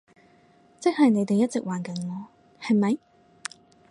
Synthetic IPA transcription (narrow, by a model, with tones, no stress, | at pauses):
t͡sɪ˥k̚hɐ˨jne˨˧jt̪e˨jɐ˥t̚t͡sɪ˨k̚waː˨˩nkɐ˨˥˦nŋɔː˨˧ | hɐ˨jmɐ˨˦j